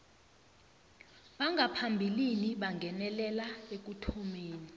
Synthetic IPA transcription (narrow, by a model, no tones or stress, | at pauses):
ɓaŋɡʱapʰambʱiliniɓaŋɡʱɛnɛlɛlaek̬utʰumeːni